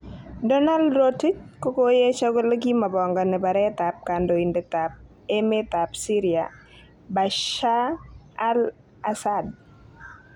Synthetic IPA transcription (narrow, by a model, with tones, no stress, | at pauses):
dɔ˦na˦ldɾoti˦t͡ʃ̚ko˦ko˦je˦t͡ʃa˦ɡo˦la˦ɡi˦ma˨bɔ˨ŋɡɔ˨nɛ˨ba˨ɾɛt̪a˨p̚ka˨ndo˨i˨ndɛ˨t̪a˨p̚ | e˦me˦t̪a˨psi˦ɾi˨a̰ | ba˨ʃa˦al | asad̚